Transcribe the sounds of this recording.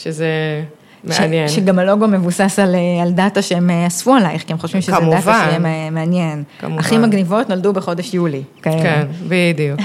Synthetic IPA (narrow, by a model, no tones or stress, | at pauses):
ʃeze | meʃaenjenʃeɡamalo̞ɡome̞vusasalealdataʃeemasfualajχkiemχoʃvimʃeedatvaemmeanje̞nkmaχimaɡnivo̞tno̞ldubeχo̞de̞ʃjulikaekenbidijuk